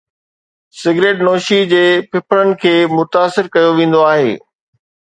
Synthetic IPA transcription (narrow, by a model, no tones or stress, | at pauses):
sɪɡɾeːʈnoːʃid͡ʑeːpɪpʰəɾənɪ̆kʰeːmʊt̪aːsɪɾkɐjoʋẽːn̆d̪oaːɦḛː